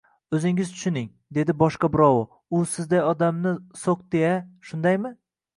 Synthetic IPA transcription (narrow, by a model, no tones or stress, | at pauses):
ɵzɪŋɪzt̪ʰʊ̥ʃɪnɪŋ | d̪e̞d̪ɪbɒʃqɑbɪɾɒwʊ | ʊsɪzd̪ajɒd̪amnɪsoq̚d̪ejaʃʊnd̪ajmɪ